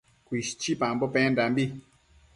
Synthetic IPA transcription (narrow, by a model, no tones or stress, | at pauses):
kwiʃt͡ʃipãmbopɛ̃ndambi